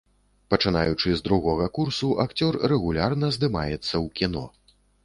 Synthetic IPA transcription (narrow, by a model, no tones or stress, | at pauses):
pɐt͡ʂɨna̰jut͡ʂɨzd̪ɾuɣɔɣɐkursuʔakt͡sʲɔrːɛɣulʲarnɐzd̪ɨma̰jɛt̪sːɐwkʲinɔ̰